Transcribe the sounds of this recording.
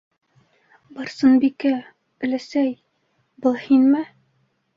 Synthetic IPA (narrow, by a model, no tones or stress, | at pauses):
bɑɾsɤnbikæ | ɵ̆læsæj | bɤ̆lˠhinmɘ